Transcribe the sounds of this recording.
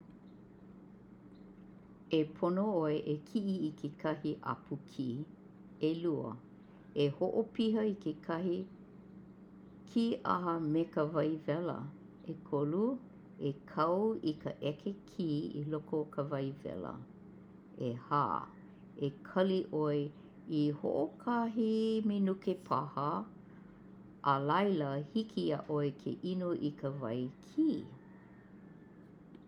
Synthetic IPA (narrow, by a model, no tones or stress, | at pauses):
epʰonooeʔekʰiʔiikʰekʰɐhiʔa̰pʰukʰiː | eluə̰ | ehoʔopiɦəikekʰɐhi | kʰiʔa̰ɦəmekəvɐjvɛlə̰ | ekʰolu | ekʰɐwikəʔɛkʰekʰiːḭlokokʰəvɐjvɛ̰lə̰ | eha̰ː | ekʰɐliʔoe | iho̰ʔokʰaɦimenukepʰahə | ʔəlɐjləhikʰia̰ʔoekʰḛʔinoʔikʰəvɐ̰jkʰiː